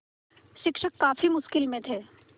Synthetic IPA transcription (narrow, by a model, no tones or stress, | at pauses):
ʃɪkʃəkːaːfimʊʃkɪlmẽt̪ʰeː